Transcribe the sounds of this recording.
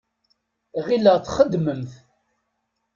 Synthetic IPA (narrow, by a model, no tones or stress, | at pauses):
ʁiləʁθχəd̪ːməmθ